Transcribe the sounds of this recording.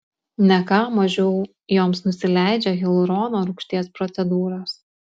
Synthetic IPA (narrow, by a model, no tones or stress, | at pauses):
nʲɛkɑːmɐʒʲɛʊ | joːmsnʊsʲɪlʲæˑɪd͡ʒʲɛɣʲɛlˠʊɾɔːnoːɾʊkʃʲt̪ʲiɛspɾɔt̪sʲɛd̪uːɾoːs